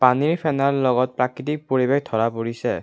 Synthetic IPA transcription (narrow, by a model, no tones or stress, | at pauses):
paniɹpʰɛnallɔɡɔt̚pɹakɹit̬ik̚poɹibexdʱɔɹapoɹisɛ